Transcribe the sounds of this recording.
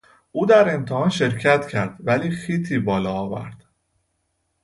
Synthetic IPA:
ʔuːd̪æɾe̞mt̪ʰehɒːnʃe̞ɾcʰæt̪ʰcʰæɾd̪̥væliːxiːt̪ʰiːbɒːlɒːvæ̰ɾd̪̥

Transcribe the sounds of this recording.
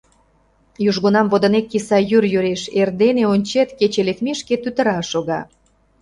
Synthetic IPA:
juʒɣonɑmvod̪ə̆nekːisɑjyrjøɾeʃerd̪eneonʲt͡ɕet̪ket͡ɕelekmiʃket̪yt̪ə̆ɾɑʃoɣɑ

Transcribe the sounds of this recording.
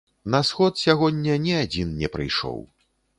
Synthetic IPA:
nɐsxɔt̪sʲaɣɔnʲːɐnʲiad͡zʲinnʲɛpɾɨ̰jʂɔ̰w

